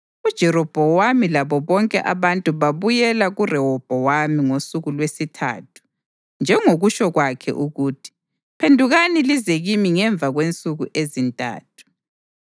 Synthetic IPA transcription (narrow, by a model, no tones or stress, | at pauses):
ud̥ʒ̥ʱɛɾɔb̥ʱɔwamilaβɔβɔŋkʼɛ̰ʔaβantʼuβaβujɛlaɣurɛɦɔb̥ʱɔwamiŋosuɣulwesitʰa̰ːtʰu̥ | nd͡ʒʱɛŋoɣuʃɔɣwakʰɛ̰ʔuɣuːtʰi̥ | pʰendʱuɣanilizeɣimiŋɛɱb̪vʱaɣwent͡sʼuɣuʔezintʼa̰ːt̚ʰu̥